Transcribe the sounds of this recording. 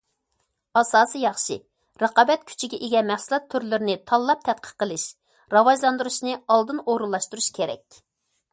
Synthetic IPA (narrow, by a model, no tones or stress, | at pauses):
ɑsɑːsijɑχʃḭ | ɾɑqɑbɛt̪̚kʲʰy̥t͡ʃʰiɡʲɛʔeɡʲɛmɛχsɨlˠɑt̪ʰːyɾlyɾɪnɪt̪ʰɑlˠːɑp̚t̪ʰɛt̪̚qʰə̥qːəlˠɨʃ | ɾɑvɑʒlˠɑnd̪uɾuʃnɨɑlˠd̪ɨnoɾulːˠɑʃt̪uɾuʃkʲʰeɾɛ̰kʲ